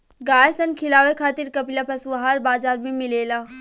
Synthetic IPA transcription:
ɡaːjsənkʰɪlaːʋekʰaːt̪ɪɾkɐplapɐsʋɦaːɾbaːd͡ʒaːɾmẽmɪleːlaː

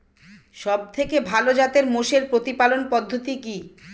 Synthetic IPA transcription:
ʃɔb̚t̪ʰekebʱalod͡ʑat̪eɾmoʃeɾpɾot̪ipalonpɔd̪ʱːot̪iki

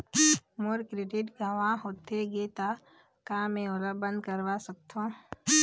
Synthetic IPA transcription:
moɾkɾɪʈɪʈɡaʋãɦoːt̪ʰeɡet̪a | kamẽʊləbə̃nd̪kəɾʋasək̚t̪ʰõː

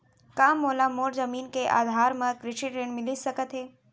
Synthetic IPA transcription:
kaːmoːlamoːɾzɐmiːnkeʔa̰ːd̪ʱaːɾmẽkɾɪʃiʈɾẽɳmɪlisəkət̪ɦeː

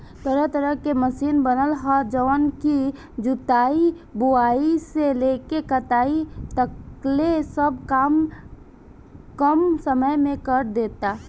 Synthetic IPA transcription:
t̪əɾət̪əɾəɦkeməsiːnbənəlɦad͡ʒəʋənki | d͡ʒʊt̪aːi | bʊaːiseleːkekət̪aːit̪əklesəb̚kaːm | kəmsəməjmẽkəɾd̪eːt̪a

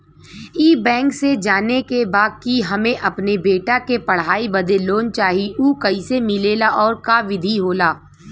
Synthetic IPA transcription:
iːbɛ̃ːŋksed͡ʒaːnekebaːd̪̚kiɦɐmẽʔɐpnebeːʈakepɐɽ̤aːibɐd̪eloːnt͡ʃaːɦiuːkɐisemɪleːlaʔɔːɾkaʋɪd̪ʱiɦoːlaː

